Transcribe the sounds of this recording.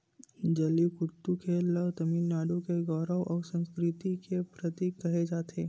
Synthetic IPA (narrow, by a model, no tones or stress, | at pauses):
d͡ʒɐlikʊt̪ːukʰelːəɦt̪ɐmiːlnaːɖõkeɡɔːɾəwʔɔːɾsə̃nskɾɪt̪ikepɾət̪iːkːɐɦed͡ʒaːt̪ʰeː